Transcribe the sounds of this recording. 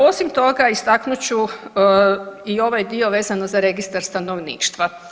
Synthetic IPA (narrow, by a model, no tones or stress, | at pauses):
o̞simt̪o̞ɡaist̪aknut͡ɕu | io̞ʋajd̪io̞ʋe̞ːzanozaɾe̞ɡist̪aɾst̪ano̞ʋnḭːʃt̪ʋa